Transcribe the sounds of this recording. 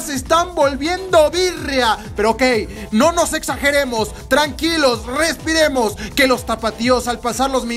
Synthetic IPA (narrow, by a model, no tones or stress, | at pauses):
sest̪ambo̞lβje̞nd̪oβirjape̞ɾooke̞jno̞no̞se̞ksaxe̞ɾe̞mo̞s | t̪ɾaŋkilo̞sre̞spiɾe̞mo̞ske̞lo̞st̪apat̪io̞salpasaɾlo̞zmĩ